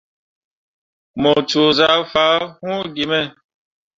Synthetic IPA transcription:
mɔ˨t͡ʃu˨za˨˦fa˨˦hũ˦ɡi˨mɛ˦˨

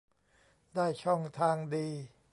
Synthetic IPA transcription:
daː˥˩jt͡ɕʰɔ˥˩ŋt̪ʰaː˧ŋdiː˧

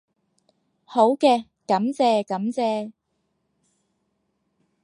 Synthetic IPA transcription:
ho˨˥wkɛː˧ | kɐ˨˥mt͡sɛː˧kɐ˨˥mt͡sɛː˧

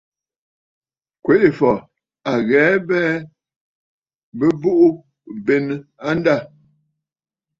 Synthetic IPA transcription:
kwe˨˦ʔe˨fɔ˨ | a˨ɣɛ˨˦bɛ˦ | bə˦bu˦ʔu˦ | be˨n˦a˦n˦da˦˨

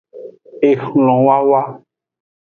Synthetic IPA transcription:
e˨xlɔ̃˨wa˦wa˦

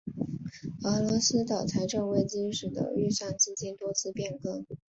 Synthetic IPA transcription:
ə˧˥lɔ˧˥sɹ̩˥t̪ɑ˨˩ʊt͡sʰa˧˥ɪʈ͡ʂɤ˥˧ŋwe˥˩ɪt͡ɕi˥nʂɻ̩˨˩d̪ə̰˦y˥˧ʂa˥˩ŋt͡ɕi˥t͡ɕi˥nt̪wɔ˥t͡sʰɹ̩˥˧pjɛ˥˩nkɤ˥ŋ

